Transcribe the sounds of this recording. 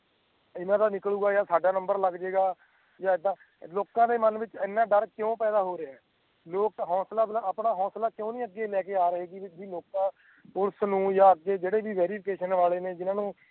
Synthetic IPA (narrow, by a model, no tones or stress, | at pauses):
ɪnãːd̪aːnɪkluːɡaːjaːsaːɖaːnəmbəɾləɡd͡ʒeːɡaː | jaːɪd̪ãː | loːkãːd̪eːmənʋɪt͡ʃɪnːãːɖəɾkjõːpɛːd̪aːɦoːɾeɛː | loːkɦɔ̃ːslaːbəpɳaːɦɔ̃ːslaːkõːnĩːəɡːeːlɛːkeːaːɾəɦeːɡiːʋɪt͡ʃbiːloːkãː | ʊɽsnũːjaːəɡːeːd͡ʒeːɽeːʋiːʋɛːɾiːpʰkeːʃənʋaːleːneːd͡ʒɪnaːnũː